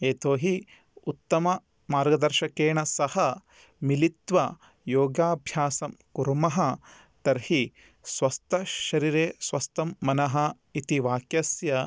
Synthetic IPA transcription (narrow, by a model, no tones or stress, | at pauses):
eːt̪oːɦi | ut̪ːɐmɐ | maːɾɡɐd̪ɐɾʃɐkeːɳɐsɐhɐ | milit̪ʋɐ | joːɡaːbʱjaːsɐmkuɾmɐɦɐ | t̪ɐɾhi | sʋɐst̪ʰɐʃɐɾiːɾeːsʋɐst̪ɐmːɐnɐɦɐ | it̪iʋaːkjɐsjɐ